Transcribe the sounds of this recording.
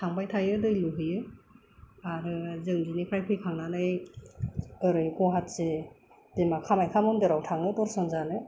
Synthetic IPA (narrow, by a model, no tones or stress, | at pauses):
tʰaŋbajtʰajɯdɯjluɦɯjɯ | aɾɯzɯŋdinipʰɾajpʰɯjkʰaŋnanɯj | ɯɾɯjkɔɦatse | d̥emakʰːamajkʰamɯmdɯɾawtʰaŋnɯtɔɾsɯŋzanɯ